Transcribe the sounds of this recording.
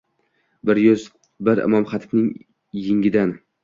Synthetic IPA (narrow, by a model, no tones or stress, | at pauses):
bɪɾjʊz | bɪɾɪ̰mɒmχɑt̪ʰɪ̥bnɪŋ | jɪŋʲɪd̪an